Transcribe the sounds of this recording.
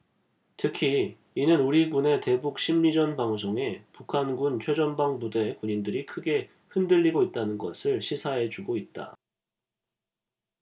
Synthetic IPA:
tʰɯkʰiː | nɯnuɾiɡune̞te̞buk̚ɕ͈ʰimːid͡ʑʌnbaŋs̬ʰoŋe̞pukʰanɡunt͡ɕʰwe̞d͡ʑʌnbaŋbude̞kuɲindɯɾikʰɯɡe̞ | hɯndɯʎːiɡoit̚t͈anɯnɡʌ̰sʰɯɭɕʰisʰaɦe̞t͡ɕuɡoit̚t͈a̰

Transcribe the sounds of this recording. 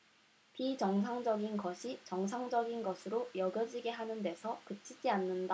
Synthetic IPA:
pit͡ɕʌŋsʰaŋd͡ʑʌɡinɡʌɕʰit͡ɕʌŋsʰaŋd͡ʑʌɡinɡʌsʰɯɾojʌɡjʌd͡ʑiɡe̞ɦanɯnde̞sʰʌkɯt͡ɕʰid͡ʑianːɯnda

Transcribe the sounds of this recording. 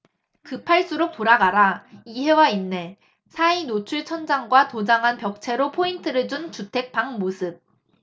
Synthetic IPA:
kɯpʰaɭs͈uɾok̚poɾaɡaɾaiɦe̞wainːe̞ | sʰainot͡ɕʰuɭt͡ɕʰʌnd͡ʑaŋɡwatod͡ʑaŋɦanpjʌk̚t͡ɕʰe̞ɾopʰointʰɯɾɯɭd͡ʑunt͡ɕutʰe̞k̚p͈aŋmosʰɯb̚

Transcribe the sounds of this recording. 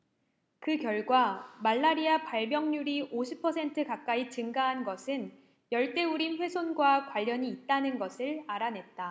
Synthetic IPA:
kɯkjʌɭɡwamaɭːaɾiapaɭmjʌŋɲuɾiʔoɕʰipʰːʌsʰe̞ntʰɯkak͈ait͡ɕɯŋɡaɦanɡʌsʰɯn | jʌɭt͈e̞uɾinɸwe̞sʰonɡwakwaʎːʌɲiːt̚t͈anɯnɡʌsʰɯɭaɾanɦe̞t̚t͈a

